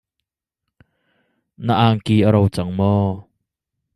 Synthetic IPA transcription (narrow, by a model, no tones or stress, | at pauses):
naʔaːŋkiəɾowt͡saŋmɔ